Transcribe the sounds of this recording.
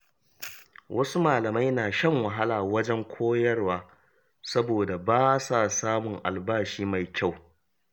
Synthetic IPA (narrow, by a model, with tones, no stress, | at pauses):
wʔɐ˦su˦maː˨lɐ˨ma˦jnaː˨ʃɐ˦ŋwɐ˨ɦa˦laː˨wɐ˦d͡ʒɛ˦ŋkʷʰoː˦jɐ˦rwaː˦ | sɐ˦boː˨da˨baː˦sa˦˨saː˦mʊ˨ŋʔa̰˨lbaː˦ʃiː˦ma˨jkʲa˦˨w